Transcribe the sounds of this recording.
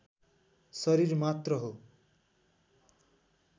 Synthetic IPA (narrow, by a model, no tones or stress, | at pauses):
sʌɾirmat̪rʌɦo